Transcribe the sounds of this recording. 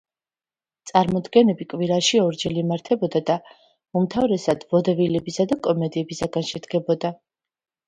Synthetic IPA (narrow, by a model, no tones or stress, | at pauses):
t̪sʼaɾmɔd̪ɡɛnɛbikʼwiɾaʃiɔɾd͡ʒɛlimaɾt̪ʰɛbɔd̪ad̪a | umt̪ʰavɾɛsad̪̥vɔd̪ɛvilɛbisad̪akʼɔmɛd̪iɛbisaɡanʃɛd̪ɡɛbɔd̪a